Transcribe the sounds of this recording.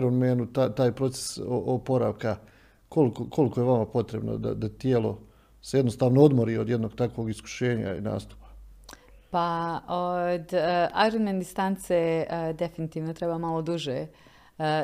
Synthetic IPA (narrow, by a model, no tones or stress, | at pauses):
ɾonmenut̪at̪aːjpɾo̞t̪se̥soopo̞ɾa̰ːʋka | ko̞likokʰo̞likojeʋamapo̞t̪ɾe̞bno̰d̪a̰d̪at̪jeːlo̞̰ | seje̞d̪no̞st̪aːʋnoo̞d̪moɾiod̪je̞d̪no̞ɡt̪akʋo̞ɡisku̥ʃe̞ːɲa̰ḭna̰ːst̪u̥pḁ | paod̪ajɾonmend̪ist̪ant̪sed̪e̞finit̪iːʋnot̪ɾebaːmalˠod̪uʒe